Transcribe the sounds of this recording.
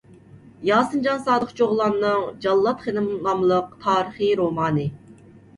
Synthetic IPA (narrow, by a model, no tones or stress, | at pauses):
jɑːsɨnd͡ʒɑnsɑːd̪əχt͡ʃʰoʁlˠɑnːɨŋd͡ʒɑlˠːɑt̪χenɨmlˠɑmlˠəq̚t̪ʰɑːɾəχiɾomɑːnɨ